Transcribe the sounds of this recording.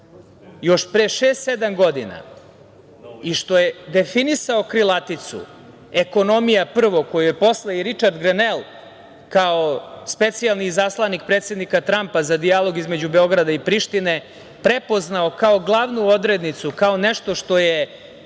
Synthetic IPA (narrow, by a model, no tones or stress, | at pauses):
jo̞ʃpɾeʃeːst̪sed̪amɡo̞d̪ina̰ | iʃt̪o̞jed̪e̞finisao̞kɾilˠat̪it̪sṵ | eko̞no̞mijapr̩ʋo̞ko̞jujepo̞slˠaiɾit͡ʃaɾd̪ɡɾenelˠ | kaospe̞t̪sijalˠniːzaslˠanik̚pɾet̪sʲe̞d̪nikat̪ɾampazad̪ijalˠo̞ɡizmed͡ʑubeo̞ɡɾad̪aipɾiʃt̪ine̞ | pɾepo̞znaokao̞ɡlˠaʋnuo̞d̪ɾed̪nit̪sukao̞neʃt̪o̞ʃt̪o̞je